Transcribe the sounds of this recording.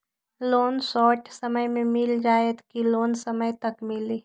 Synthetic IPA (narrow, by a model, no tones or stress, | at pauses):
loːnsɔːʈsɐməjmẽmɪld͡ʒaːet̪kiloːnsɐməjt̪ɐkmɪliː